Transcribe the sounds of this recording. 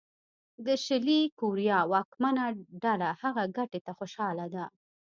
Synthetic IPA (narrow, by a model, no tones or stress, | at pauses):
d̪əʃɪlikuɾjɑwɑkmanaɖalahaɣaɡaʈet̪axoʃɑlad̪a